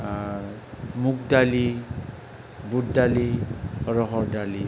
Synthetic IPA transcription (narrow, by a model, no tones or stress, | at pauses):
muk̚dali | buddaliɔɹɔɦɔɹdali